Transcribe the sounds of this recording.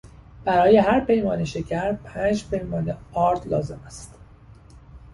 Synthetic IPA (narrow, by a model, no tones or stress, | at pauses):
b̥æɾɒːje̞ɦæɾpʰe̞jmɒːneʃe̞cʰæɾpʰæːnd͡ʒpʰe̞jmɒːneɒːɾd̪̥lɒːze̞mæst̪